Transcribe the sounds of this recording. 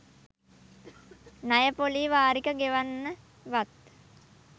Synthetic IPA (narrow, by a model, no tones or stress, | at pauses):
najəpoliːʋaːɾikəɡeʋanːə | ʋat̪̚